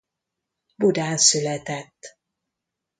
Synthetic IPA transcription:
bud̪aːnsylɛt̪ɛt̪ː

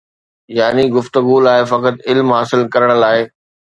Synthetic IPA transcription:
jaːniɡʊft̪əɡulaːefɐkət̪ɪlmɦaːsɪlkɐɾəɽ̃̆laːɪ

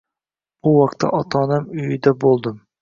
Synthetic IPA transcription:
buwɑqt̪ʰːɛ̰ʔɑt̪ʰɑːnɨmyjid̪ɛbolˠd̪ɨm

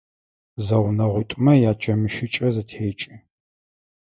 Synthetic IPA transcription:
zɐwnɐʁʷʊtʼmɐjaːt͡ʃʼɐmɨʃɪt͡ʃʼɐzɐtʰeːt͡ʃʼi

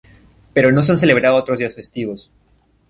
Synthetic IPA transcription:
pe̞ɾo̞no̞s̬eans̬e̞le̞βɾaðoot̪ɾozðdiasfe̞st̪iβos

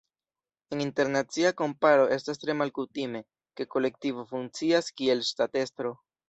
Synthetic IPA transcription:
eninte̞ɾnat͡siako̞mpaɾo̞ʔe̞stastɾe̞malkutime̞ | ke̞ko̞le̞k̚tivo̞fuŋt͡siaskie̞lstate̞stɾo̞

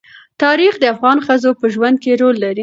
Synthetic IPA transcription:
t̪ɑɾixd̪əafɣɑnxəzopəʒwand̪̚keɾolːaɾi

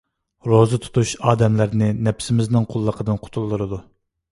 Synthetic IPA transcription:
ɾozɨt̪ʰu̥t̪ʰuʃɑːd̪ɛmlɪɾnɪnɛpsɪmɪznɨŋqʰʊlˠːəqʰəd̪ɨnqʰʊ̥t̪ʰulˠːɨɾɨd̪u

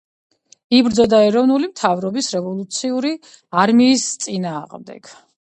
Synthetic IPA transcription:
ibɾd̪zɔd̪aɛɾɔvnulimt̪ʰavɾɔbisɾɛvɔlˠut̪sʰiuɾi | aɾmiːst̪sʼinaːʁmd̪ɛ̰ɡ̥

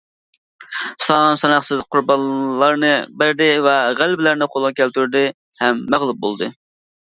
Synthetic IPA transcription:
sɑnsɑnɑχsɨzqʰʊɾbɑnːɑɾnɨbæɾd̪ɪvɛʁælbɪlæɾnɪqʰolˠʁkʲʰɛlt̪yɾd̪ɪ | hɛmːæʁlˠup̚bolˠd̪ɨ

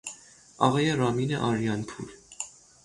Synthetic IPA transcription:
ɑʁɛjɛrɑminə̰ʔɑɾjɑnpʰṵl

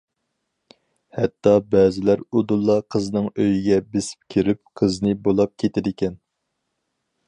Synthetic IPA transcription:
hɛt̪ʰːɑbɛːzɪlæɾud̪ulˠːɑqʰəznɨŋøjiɡʲɛbesɪ̥p̚kʲʰiɾɪp̚qʰəznɨbolˠɑp̚kʲʰet̪ʰɪd̪ɪkʲɛn

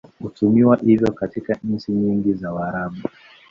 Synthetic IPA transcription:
hutumiwaʔivjɔkatikan̩t͡ʃiɲiŋɡizawaɾaɓu

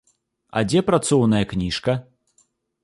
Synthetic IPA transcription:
ɐ̰d͡zʲɛpɾat̪sɔwnɐjɐknʲiʂkɐ

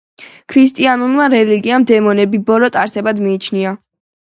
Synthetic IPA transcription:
kʰɾist̪ʼianulmaɾɛliɡiamd̪ɛmɔnɛbibɔlɔt̪ʼaɾsɛbad̪miːt͡ʃʰnia

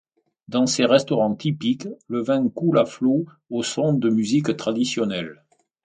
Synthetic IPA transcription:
d̪ɑ̃seʁɛst̪ɔʁɑ̃t̪ipikləvɛ̃kulaflo | osɔ̃d̪əmyzikt̪χad̪isjɔnɛl

